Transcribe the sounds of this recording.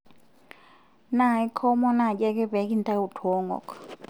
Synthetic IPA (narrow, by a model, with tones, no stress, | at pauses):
na˨i˦kʰɔ˦mɔ˦na˦˨d͡ʒɛ˦kɛ˦bɛ˨˦ki˦n˦ta˦u˨tʰɔ˨˦ŋɡɔ̰˨k